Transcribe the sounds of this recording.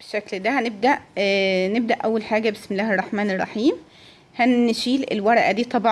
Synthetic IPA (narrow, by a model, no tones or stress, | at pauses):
beʃːækld̪æhæneb̚d̪æʔneb̚d̪æʔæwːælħaːɡæbesmelːæːherˤːɑħmæːnerˤːɑħiːm | hænʃiːlḛlwɑɾˤɑʔæd̪iːt̪ˤɑbʕ